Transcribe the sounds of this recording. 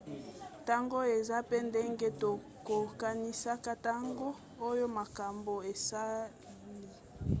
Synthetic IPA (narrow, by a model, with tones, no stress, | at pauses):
ta˦ŋɡo˦e˨za˦pe˦nde˦ŋɡe˦to˨ | ko˨ka˦ni˦sa˦ka˦ta˦ŋɡo˦ | o˦jo˦ma˨ka˨mbo˨e˨sa˦ | li˦˨